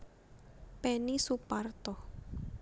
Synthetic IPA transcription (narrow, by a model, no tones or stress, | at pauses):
pɛnisupart̪ɔ